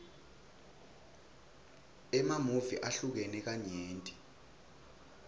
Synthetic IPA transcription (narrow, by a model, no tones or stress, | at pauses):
ɛmamuviʔaɬuk̬ɛnɛk̬aɲeːntʼi̥